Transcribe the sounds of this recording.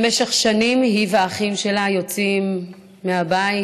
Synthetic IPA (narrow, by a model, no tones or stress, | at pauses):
meʃeχʃanimɦiveaχimʃe̞lajo̞t͡simː | eabai